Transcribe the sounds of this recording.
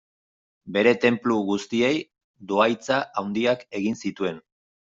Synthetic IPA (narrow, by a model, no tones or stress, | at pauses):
be̞ɾe̞t̪e̞mpluɣust̪ie̞j | d̪oajt͡saʔawnd̪iake̞ɣinsit̪ue̞n